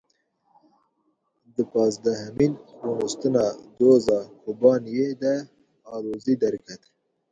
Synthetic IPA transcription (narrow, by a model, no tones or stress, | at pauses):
d̪əpɑːzd̪aɦaminkunist̪ənad̪oːzɑkʊbɑːnjed̪a | ɑːɾozid̪aɾkat̪